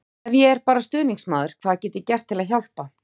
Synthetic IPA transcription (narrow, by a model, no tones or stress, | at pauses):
ɛvjɛɛɾpaːɾast̪ʏːniŋsmaːðʏɾ̥kʰv̥aːðacɛːt̪ɪcɛr̥t̪ʰːɪlaðçawl̥pa